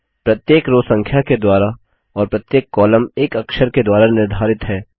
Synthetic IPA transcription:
pɾɐt̪jeːkɾoːsɐ̃ŋkʰjaked̪waːɾa | ɔːɾpɾɐt̪jeːkːɔːləmeːkɐkʃəɾked̪waːɾanɪɾd̪ʱaːɾɪt̪ɦɛː

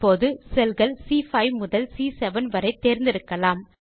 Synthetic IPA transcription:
oːðɯsɛlɣɐlsiːfɐɪmʊðɐlsiːsɛʋɐnʋɐɾɐɪt̪ːeːɾnd̪ɪɾɯkːɐlaːm

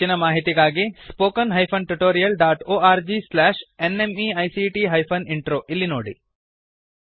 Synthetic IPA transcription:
inɐmaːɦit̪iɡaːɡispoːkɐnɦɐjpʰɐnʈuʈoːɾijɐlɖaːʈoːaːɾd͡ʒislaːʃenemiɐjsiʈiːɦɐjpʰɐniɳʈɾoːʔilːinoːɽḭ

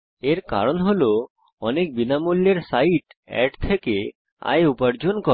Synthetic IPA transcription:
eɾka̰ɾonɦolo | ɔnek̚binamulːeɾsaiʈɛ̰ɖt̪ʰeke | a̰jupaɾd͡ʑonkɔ

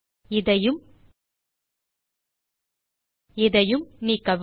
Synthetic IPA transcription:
ɪðɐjɯm | ɪðɐjɯmniːkɐʋ

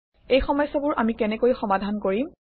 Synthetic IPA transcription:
ejxɔmɔjsɔbʊɹʔamikɛnɛkojxɔmadʱankoɹim

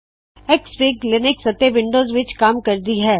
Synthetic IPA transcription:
ekspiːklɪnɪksɐt̪ːeʋɪ̃ɳɖoːzʋɪt͡ʃkaːmkɐɾd̪iɦɛː

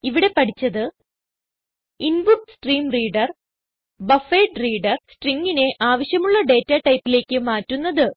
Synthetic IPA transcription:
iʋiɽe̞pɐʈʰit͡ɕːɐðɨ | inbukːsʈriːmriːɖɐr | bɐfeːʈriːɖɐrsʈriŋɡine̞ʔaːʋɐɕjɐmuɭːɐɖe̞ːtːaʈɐjpːile̞ːkʲːɨmaːtːunːɐðɨ

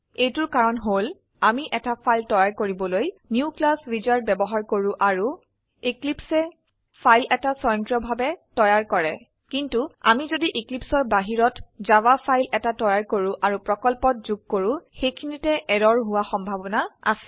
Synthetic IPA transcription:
ejtʊɹkaɹɔnɦol | amiʔɛtapʰajltɔjaɹkoɹibɔlojnjuklasɹizaɹbɛbɔɦaɹkoɹʊ̃ʔaɹu | iklipsɛ | pʰajlɛtasɔjɔntɹɔbʱabɛtɔjaɹkɔɹɛ | kintua̰mizodiʔiklipsɔɹbaɦiɹɔtzawapʰajlɛtatɔjaɹkoɹʊ̃ʔaɹupɹɔkɔlpɔt̚zuɡ̚koɹʊ̃xejkʰinitɛʔɛdɔɹɦʊwaxɔmbʱabɔnaa̰sɛ̥

